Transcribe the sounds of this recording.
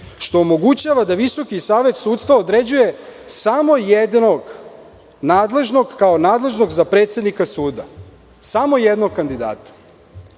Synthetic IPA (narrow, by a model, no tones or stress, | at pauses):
ʃt̪o̞ːmo̞ɡut͡ɕaʋad̪aʋiso̞kisaːʋe̞t̪suːt̪st̪ʋaod̪ɾed͡ʑuje̞samo̞jed̪noɡ | naːd̪le̞ʒno̞ɡkaonaːd̪le̞ʒno̞ɡzapɾe̞ːt̪sʲed̪nikasuːd̪a | samo̞jed̪no̞ɡ̚kand̪id̪a̰ːt̪ḁ